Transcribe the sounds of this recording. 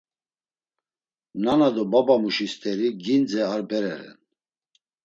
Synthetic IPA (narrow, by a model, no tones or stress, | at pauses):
nanad̪ɔbabamuʃist̪ʰɛɾiɡind͡zɛaɾbɛɾɛɾɛ̰n